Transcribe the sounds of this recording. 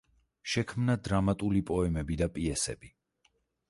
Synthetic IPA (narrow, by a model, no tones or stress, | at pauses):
ʃɛkʰmnad̪ɾamat̪ʼulipʼɔɛmɛbid̪apʼiɛsɛ̰bi